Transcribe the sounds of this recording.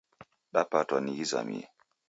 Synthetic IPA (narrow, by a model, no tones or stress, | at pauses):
ɗapatanijiza̰mḭɛ̰